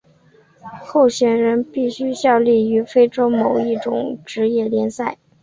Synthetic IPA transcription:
xo˥˩ʊɕɥɛ˨˩nɻə˧˥npi˥˩ɕy˥ɕjɑ˥˧ʊli˥˩y˧˥fe˥ɪʈ͡ʂo˥ʊmo˨˩ʊi˥˩ʈ͡ʂʊ˨˩˦ŋʈ͡ʂɻ̩˧˥jɛ˥˩ljɛ˧˥nsa˥˩ɪ

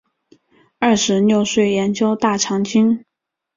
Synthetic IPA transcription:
ɐ˥˩ʂɻ̩˧˥njo˥˧ʊʂwe˥˩ɪjɛ˧˥nt͡ɕjo˥ʊt̪a˥˩ʈ͡ʂʰɑ˧˥ŋt͡ɕi˥ŋ

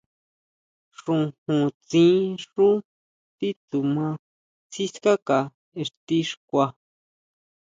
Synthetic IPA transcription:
ʂũ˨hũ˨t͡sĩ˦ʂũ˦ | t̪i˦t̪u˨mã˧ | t͡si˦ska˦ka˨ | e˨ʂt̪i˦ʂkʷa˧

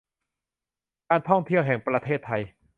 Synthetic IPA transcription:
kaː˧nt̪ʰɔ˥˩ŋt̪ʰi˥˩əwɦɛ˨˩ŋpɾa˧t̪ʰeː˥˩t̪ʰːa˧j

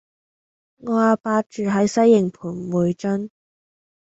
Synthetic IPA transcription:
ŋɔː˨˧aː˨paː˧t̚t͡ʃyː˨ɦɐ˨˥jsɐ˥jːɪ˨ŋpʰuː˨˩nmuː˨˧jt͡ʃɐ˥n

